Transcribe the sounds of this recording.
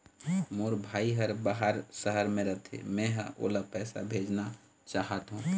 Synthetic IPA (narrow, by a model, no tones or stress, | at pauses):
moːɾbʱaːiɦəɾbaɦaɾsəɦəɾmẽɾət̪ʰḛmɛ̃ɦə̃o̰ːlapɛːsa̰bʱeːd͡ʒna | t͡ʃaːɦət̪ɦũː